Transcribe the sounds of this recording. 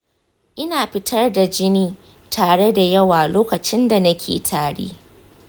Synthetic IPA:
ʔɪ˦naː˨ɸɪ˦tʰɐ˦rda˨d͡ʒɪ˦niː˦ | tʰaː˨ɽe˦da˨jɐ˦waː˨loː˦kɐ˨t͡ʃɪ˦nda˨nɐ˦kʲʰḛː˨tʰaː˨ɽḛː˦

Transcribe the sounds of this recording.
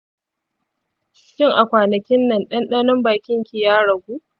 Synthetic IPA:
ʃʲɪ˦ŋʔa˨kʷaː˨nɐ˨kʲɪ˦nːɐ˨nɗɐ˦nɗɐ˦nɔ˦mbaː˨kʲɪ˦ŋkʲi˨jaː˦ɽɐ˨ɡʷuː˦ʔ

